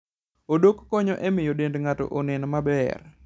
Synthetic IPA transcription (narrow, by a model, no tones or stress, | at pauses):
odokkɔɲoʔɛmɪjodendŋatɔ̰ʔonɪnmabɛ̰r